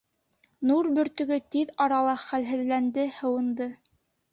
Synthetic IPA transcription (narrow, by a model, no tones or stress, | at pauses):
nuɾbɵ̆ɾt̪ɵ̆ɡɵt̪iðɑɾɑlˠɑχælɦɘ̆ðlænd̪ɘhɤ̆wɤ̆nd̪ɤ